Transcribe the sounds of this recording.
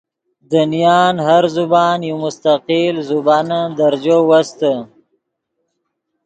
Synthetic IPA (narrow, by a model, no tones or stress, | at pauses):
d̪ənijɑːnhaɾzubɑːnjomʊst̪aqilzubɑnad̪aɾd͡ʒowast̪ə